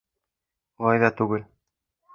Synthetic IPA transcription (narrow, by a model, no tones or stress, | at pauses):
olˠɑjðɑt̪ʉɡɘl